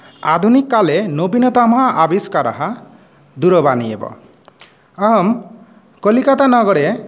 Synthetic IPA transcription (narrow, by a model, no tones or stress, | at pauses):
a̰d̪ʱunikːalenobinɔt̪amɔɦaʔabiskaɾɔ̰ɦa | d̪uɾɔbaniebɔ̰ | aɦɔm | kolikat̪anɔɡɔɽe